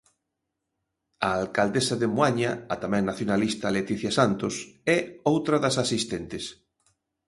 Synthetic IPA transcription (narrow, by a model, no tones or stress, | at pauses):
aalkald̪esaðemuaɲaːt̪amɛ̃ŋnaθjonalist̪alet̪iθjasant̪osɛowt̪ɾaðɐsasist̪ent̪ɪs